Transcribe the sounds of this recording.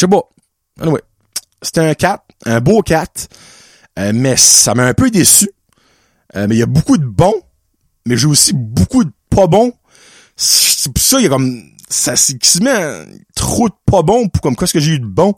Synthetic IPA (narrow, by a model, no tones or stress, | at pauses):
ʃɛk̚pɔ | ɛ̰niwɛ | se̥t̪ɛɛ̃kʲat̪̚œ̃bokʲat̪ | ømɛssamãːpød̪esy | ømɛjɐbukud̪əbɔ̃ | mɛʒeusibukud̪əpʰɔbɔ̃ | si̥ʒpu̥sɔjɐkɔm | sasekʲsimãt̪ʁod̪əpʰɔbɔ̃pkɔmkwɛskəʒeyd̪əbɔ̃